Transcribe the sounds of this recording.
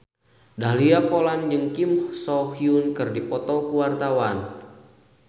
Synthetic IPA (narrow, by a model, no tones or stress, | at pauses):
daɦliapoland͡ʒɨŋkimhsɔfiunkɨrdipɔt̪ɔkuwart̪awan